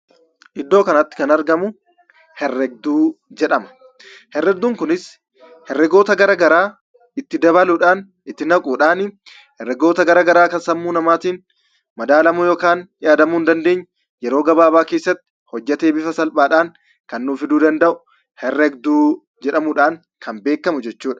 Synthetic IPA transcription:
ʔɪd̪ːo̞ːkɐnɐt̪ːɪ̥kɐnɐɾɡɐmʊ | hɛrːɛɡ̚d̪uːd͡ʒɛᶑɐmɐ̥ | hɛrːɛɡ̚d̪uːŋkʊnɪs | hɛrːɛɡo̞ːt̪ɐɡɐɾɐːɡɐɾaː | ɪt̪ːɪd̪ɐβɐluːᶑaːn | ɪt̪ːɪnɐkʼuːᶑaːnɪ | hɛrːɛɡo̞ːt̪ɐɡɐɾɐɡɐɾaːkɐnsɐmːuːnɐmaːt̪iːn | mɐd̪aːlɐmʊjoːkaːnᶑɪjaːd̪ɐmuːnd̪ɐnd̪e̞ːɲː | jɛɾo̞ːɡɐbaːbaːke̞ːsːɐt̪ːɪ̥ | hɔd͡ʒːɐt̪e̞ːbɪfɐsɐlpaːᶑaːŋ | kɐnːuːfɪd̪uːd̪ɐnd̪ɐʔʊ̥ | hɛrːɛɡd̪uː | d͡ʒɛᶑɐmʊᶑaːŋ | kʰɐmbe̞ːkːɐmʊd͡ʒɛt͡ʃːuːᶑɐ̥

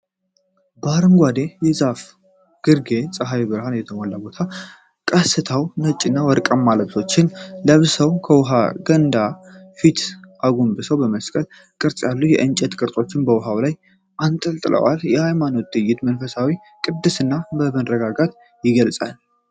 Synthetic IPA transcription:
baɾɨmɡʷad̪ejɛzaf | ɡ̥ɨɾɡe̞sʼəɦajibɨɾhanjɛt̪ʰəmolːabo̞t̪ʰa | kʼəsɨt̪ʰəwnət͡ʃʼːɪnːawɔɾkʼəmːaləβso̞t͡ʃːɪnləβsəwkʰəwɦaɡənd̪afit̪ʰʔaɡumbɨsəwbəməskʼəl | kʼɨɾsʼjalːujɛʔɨnt͡ʃʼɛt̪kʼɨɾt̪ʼo̞t͡ʃːɪnbəwʊɦawlaj | ʔant̪ʼəlt̪ʼɨlʔə̰wa̰ljɛhajmano̞t̪ːɨjːɪt̪mənfəsawi | kʼɨd̪ːɨsɨnːaməβənɾəɡaɡat̪ | jɪɡəlsʼa̰l

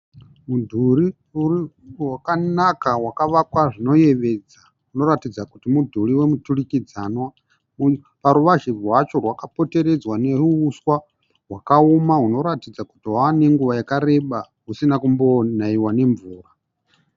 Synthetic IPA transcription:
mudʱuri | uriwakanakawakaʋakwaʐino̞je̞ʋe̞d͡za | uno̞ɾatid͡zakutimudʱuriwe̞muturikid͡zanwa | u | paɾuʋaʒirwat͡ʃo̞rwakapo̞te̞ɾe̞d͡zwane̞ruːswa | ɦwakaumaɦuno̞ɾatid͡zaku̥tiɦwaːne̞ŋɡuʋajakaɾe̞ɓa | ɦusinakumbo̞naiwane̞ɱvuːra

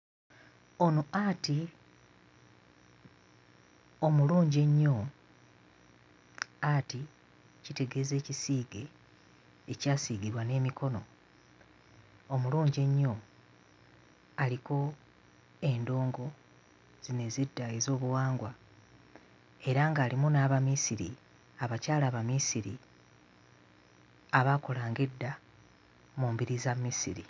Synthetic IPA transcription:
o̞nuati | omuluːɲɟe̞ɲːo̞ | ati | cite̞ɡe̞ze̞ːcisiːɡe̞ː | caːsiːɡiɾwane̞ːmikʰo̞no̞ | muluːɲɟe̞ɲːo̞ | aliko̞ | e̞ndo̞ːŋɡo̞ | z̥ine̞zidːajezo̞ːβuwaːŋɡwa | e̞ɾaŋɡaːlimunaβamisiɾḭ | aβacaːlaːβamisiɾi | aβako̞laːŋɡe̞dːa | muːmbiɾizamisiɾḭ

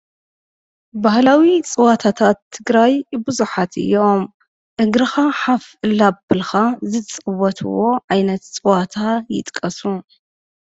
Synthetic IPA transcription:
bahlawit͡sʼɨwat̪ʰat̪ʰat̪ʰːɨɡɾajbɨzuħat̪ʰɨ̰jːo̞m | ʔɨɡɾɨxaħafɨlabɨlxazɨt͡sʼɨwɔt̪ʰɨwo̞ʕajnɐt̪t͡sʼɨwat̪ʰajɪ̰t̪ʼkʼːɐsu

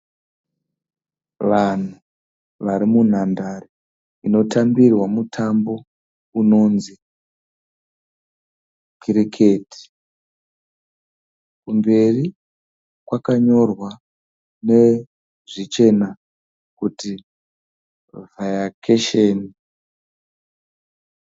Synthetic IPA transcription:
ʋan̤u | ʋaɾimun̤andari | ino̞tambirwamutʰambo̞ | uno̞nzi | kiɾikʰeti̥ | kumbe̞ri | kwakaɲo̞rwa | ne̞ | ʐit͡ʃe̞na | kuti | vajakʰeʃeːni

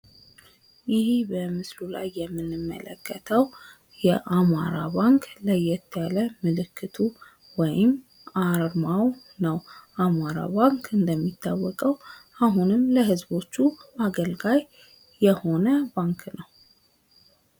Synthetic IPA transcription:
jɪhibəmɨslula̰jːɛmːɨnːɨmːə̰lə̰kːət̪ʰəw | jɛʔama̰ɾa̰baŋkləjɛt̪ʰːəjaləmɨlɨkʰːɨt̪ʰu | wɔjɪm | aɾɾmaw | nəwʔamaɾa̰baŋkɨnd̪əmːit̪ʰːawːɔkʼəwaɦunɨmləɦɨzbo̞t͡ʃːuʔaɡəlɡajː | ɛho̞nəbaŋknəw

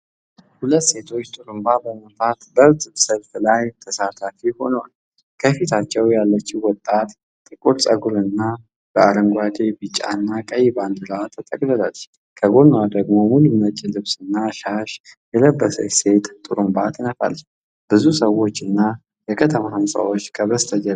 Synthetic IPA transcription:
hulət̪ːse̞t̪ʰo̞t͡ʃːt̪ʼuɾɨmbabəmət̪ʰat̪bət̪ʼɨbsəlflajt̪ʰəsat̪ʰafiho̞nəwal | kʰəfit̪ʰat͡ʃːɛwjalːət͡ʃːiwɔt̪ʼːat̪ | t̪ʼɨkʼuɾsʼəɡuɾɨnːa | b̥əaɾəŋɡʷad̪e̞bɨt͡ʃʼa̰nːakʼəjband̪ɨlat̪ʰːət̪ʼəkʼləlal | kʰəɡo̞nwad̪əɡmo̞mulumət͡ʃʼilɨβsɨnːaʃaʃjɛləbːəsə̰se̞t̪t̪ʼuɾɨmbat̪ʰɨnəfa̰l | b̥ɨzusəwo̞t͡ʃːɨnːa | jɛkʰət̪ʰəmahamsʼa̰wo̞t͡ʃːkʰəβəst̪ʰəd͡ʒə

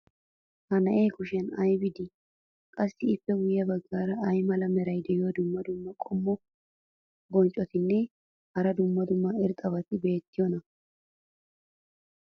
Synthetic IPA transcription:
hɐnɐʔe̞ːkʊʃɛnɐjbɪd̪ɪ | kʼɐsːɪɪpːɛwʊjɐbɐɡːaːɾɐɐjmɐlɐmɛɾɐjd̪ɛjɪod̪ʊmːɐd̪ʊmːɐkʼɔmːɔ | bɔnt͡ʃʼɔt̪ɪnːɛ | hɐɾɐd̪ʊmːɐd̪ʊmːɐɪɾt̪ʼɐβɐt̪ɪbe̞ːt̪ːɪjɔnɐ

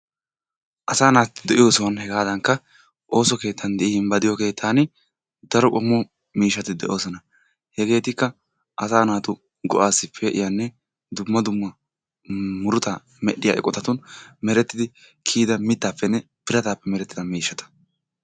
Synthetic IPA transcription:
ʔɐsaːnaːtːɪd̪ɛʔɪjo̞ːsɔwɐnhɛɡaːd̪ɐŋkːɐ | ʔo̞ːsɔke̞ːt̪ʰːɐnd̪ɛʔɪhɪnbɐd̪ɪjɔke̞ːt̪ʰːaːn | d̪ɐɾɔkʼɔmːɔ | miːʃːɐt̪ɪd̪ɛʔo̞ːsɔnɐ | hɛɡe̞ːt̪ɪkːɐ | ʔɐsaːnaːt̪ʊ | ɡɔʔaːsːɪpʰːɛʔɪ̰janːɛ | d̪ʊmːɐd̪ʊmːɐ | mʊɾʊt̪a | mɛɗɪja̰ʔɛ̰kʼɔt̪ɐt̪ʊnmɛɾɛt̪ːɪd̪ɪ | kʰiːd̪ɐmɪt̪ːaːpːɛnːɛ | pɪɾɐt̪aːpːɛmɛɾɛt̪ːɪd̪ɐmiːʃːɐt̪ʰɐ̥

